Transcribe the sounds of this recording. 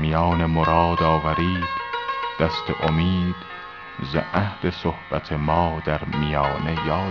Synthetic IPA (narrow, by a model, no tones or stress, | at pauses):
mijɒːnemoɾɒːd̪ɒːvæɾiːd̪d̪̥æst̪ʰeʔomiːd̪̥ | zḛʔæhle̞sohb̥æt̪ʰemɒːd̪æɾmijɒːne̞jɒː